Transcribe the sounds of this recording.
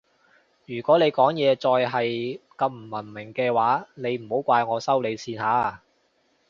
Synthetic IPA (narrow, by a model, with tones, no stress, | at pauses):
jyː˨˩kʷɔː˨˥le˨˧jkɔː˨˥ŋjɛː˨˧t͡sɔː˧jɦɐ˨jkɐ˧mm̩˨˩mɐ˨˩nmɪ˨˩ŋkɛː˧waː˨˥ne˨˧jm̩˨˩ho˨˥wkʷaː˧jŋɔː˨˧sɐ˥wle˨˧jsiː˧nhaː˨˥